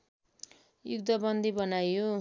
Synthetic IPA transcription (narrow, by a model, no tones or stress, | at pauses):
jṵɡd̪ʌbʌnd̪ʱibʌnajo